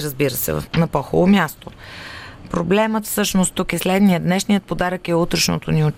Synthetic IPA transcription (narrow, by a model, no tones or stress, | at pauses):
ɾəzbiɾəsɛ̰nɐpɔxo̰lˠomʲjast̪o | pɾoblɛmət̪fsɤʃnost̪ːukɛslɛd̪nijəd̪nɛʃnijət̪̚pod̪aɾəkɛut̪ɾəʃno̰t̪onio